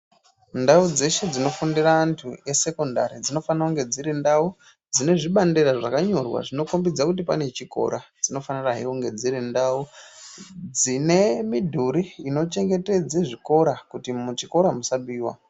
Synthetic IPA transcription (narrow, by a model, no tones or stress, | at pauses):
ndaud͡ze̞ʃe̞d͡zino̞fundiraːntʰue̞se̞ko̞nda̰ɾid͡zino̞fanauŋɡe̞d͡ziɾendau | d͡zine̞ʐiɓanderaʐakaɲo̞rwa̰ʐino̞kombid͡zakutipane̞t͡ʃiko̞̰ɾad͡zino̞faniraɦiuŋɡe̞d͡ziɾindau | d͡zine̞midʱuɾiːno̞t͡ʃe̞ŋɡe̞te̞d͡zeʐiko̞ɾakutimut͡ʃiko̞ɾamusaɓiːwa̰